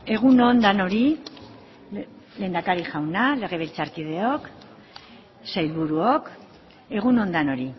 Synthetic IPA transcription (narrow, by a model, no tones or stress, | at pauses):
e̞ɣ̞uno̞nd̪ano̞ɾi | le̞ːnd̪akaɾiʝawnale̞ɣ̞e̞β̞elt͡saɾkið̞e̞o̞k | sajlβuɾuok | e̞ɣ̞uno̞nd̪ano̞ɾi